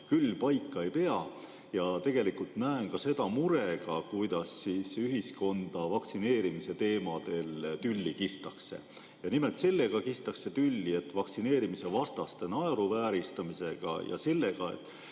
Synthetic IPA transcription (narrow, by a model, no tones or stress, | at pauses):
kylːpɑjkːɑe̞jpe̞ɑ | jɑt̪e̞ɡ̥e̞likult̪næenkɑse̞d̪̥ɑmuɾe̞ɡ̥ɑkujd̪̥ɑsːiːsyɦisko̞nd̪̥ɑvɑksine̞ːɾimise̞t̪e̞ːmɑd̪̥e̞lt̪ylʲːikist̪ɑksḛ | jɑnimet̪se̞lːeɡ̥ɑkist̪ɑkse̞t̪ylʲːie̞t̪ːvɑksine̞ːɾimise̞vɑst̪ɑst̪e̞nɑeɾuvæːɾist̪ɑmise̞ɡ̥ɑ̰jɑ̰se̞lːe̞ɡ̥ɑḛt̪ːˑ